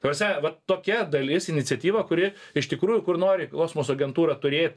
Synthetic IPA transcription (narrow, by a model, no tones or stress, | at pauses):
t̪ɐprsʲnʲɛʋɐtt̪oːkʲɛd̪ɐlʲɪsɪnʲɪtt͡sʲɛt̪ʲiːʋɐkʊɾʲɪɪʃt̪ʲɪkɾuːjʊkʊrnoːɾʲɪkoːsmoːsɐɡʲɛnt̪uːɾɐt̪ʊɾʲeːt̪̚ʲ